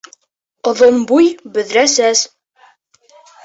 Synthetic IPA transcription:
ŏðonbujbɵ̆ðɾæsæz

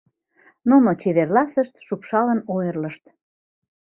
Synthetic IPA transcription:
nonot͡ɕeβerlɑsəʃt̪ʃupʃɑlənojərləʃt̪

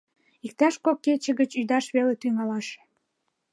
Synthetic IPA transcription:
ik̚t̪ɑʃkokːet͡ɕəɣət͡ɕyd̪ɑʃβelet̪yŋɑlɑʃ

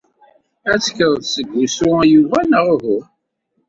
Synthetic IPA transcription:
æt͡sːkəðˤðsəɡʷːusʊæjuvænəʁɦʊ

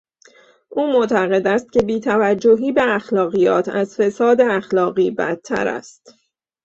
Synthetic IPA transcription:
ʔuːmo̞ʔt̪ʰæɣe̞d̪æst̪̚ce̞biːt̪ʰævæd͡ʒːo̞ɦiːbe̞æxlɒːɣijɒ̰ːt̪ʰæzfe̞sɒːd̪eæxlɒːɣiːbæ̰t̪ʰːæ̰ɾæ̰st̪

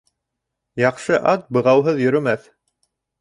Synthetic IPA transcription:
jɑqʃɤʔɑt̪̚bɤ̆ʁɑwɦɤðjɵ̆ɾɵ̆mæθ

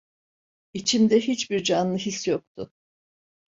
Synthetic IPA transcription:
it͡ʃʰimd̪ɛɦit͡ʃbiɾd͡ʒanlˠɯɦisjok̚t̪ʰʊ

